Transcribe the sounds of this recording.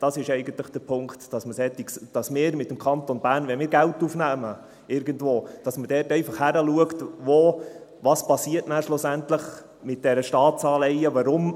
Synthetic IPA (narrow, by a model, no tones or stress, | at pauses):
d̥ɑsɪʃɛɪɡən̩t̪ləχd̥əpʰʊŋkt̪d̥ɑsməsɛt̪ːikd̥ɑsmɪːɾmɪt̪̚ːəmkʰɑnt̪onb̥æːɾnʋɛnmɪːɾɡæltːufnæːmə | ɪɾɡ̥əndvoːd̥ɑsməd̥ɛːrtɛɪfɑχhæɾəluəktʋoʋɑspɑsiətnæʃlʊsæntləχ | mɪt̚d̥ɛɾəʃtɑːt̪sɑːlɛjəʋɑɾʊm